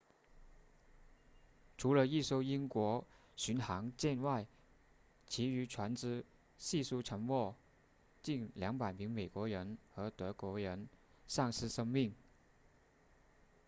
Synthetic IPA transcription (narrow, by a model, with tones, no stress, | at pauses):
ʈ͡ʂʰu˧˥lə˧i˥˧so˥ʊi˥nkwɔ˧˥ | ɕy˧˥nxɑ˧˥ŋt͡ɕjɛ˥˧nwa˥˩ɪ | t͡ɕʰi˧˥y˧˥ʈ͡ʂʰwa˧˥nt͡sɻ̩˥ | ɕi˥˧su˥ʈ͡ʂʰɤ˧˥ŋwɔ˥˧ | t͡ɕi˥˩nljɑ˧˥ŋpa˨˩ɪmi˧˥ŋme˨˩ɪkwɔ˧˥ɻə˧˥nxɤ˧˥t̪ɤ˧˥kwɔ˧˥ɻə˧˥n | ʂɑ˥˧ŋsɹ̩˥˧ʂɤ˥ŋmi˥˩ŋ